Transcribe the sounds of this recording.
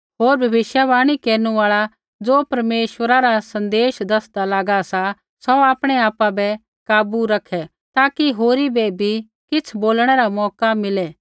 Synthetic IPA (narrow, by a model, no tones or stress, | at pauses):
ɦoːɾbʱɐbɪʃjaʋaːɽ̃ikeːɾnuaːɭa | d͡zoːpɐɾmeːʃwʋəɾaɾasɐ̃nd̪eːʃd̪ɐsd̪alaːɡasa | sɔaːpɽ̃ɛaːpabɛ | kaːbuɾɐkʰɛ | t̪aːkiɦoːɾibɛbʱi | kɪt͡sʰboːlɽ̃ɛɾamɔːkamɪlɛ